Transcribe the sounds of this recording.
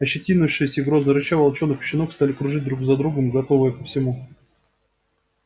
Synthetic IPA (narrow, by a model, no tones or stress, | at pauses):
ɐɕːɪtʲinʊfʂɨjəsʲəɪɡɾoznəɾʊt͡ɕavɐlˠt͡ɕo̞nːɨxpʲɕːɪnokst̪alʲɪkɾʊʐɨt̚ʲd̪ɾuɡzɐd̪ɾuɡəmɡɐt̪o̞vəjəkəfsʲɪmu